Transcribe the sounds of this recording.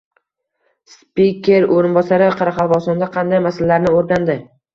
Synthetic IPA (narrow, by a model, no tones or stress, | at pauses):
spikʲeɾoɾɪnbɒsaɾɪqʰɑɾɑqʰɑlˠvɒsɒnd̪aqʰɑnd̪ajmasalalaɾnɪoɾd̪and̪ɪ